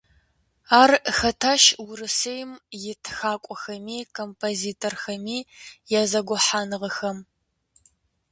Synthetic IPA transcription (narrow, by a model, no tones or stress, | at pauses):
aːrxɐtʰaːʃwʊɾɨsejmjɪtʰxaːkʷʼɔxɐmiːkʰompʰoziːtʰorxɐmiːjɛzɐɡʷʊħaːnɨʁəxɐm